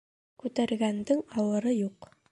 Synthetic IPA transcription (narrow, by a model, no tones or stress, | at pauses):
kʉt̪æɾɡænd̪ɘŋɑwɤ̆ɾɤjuq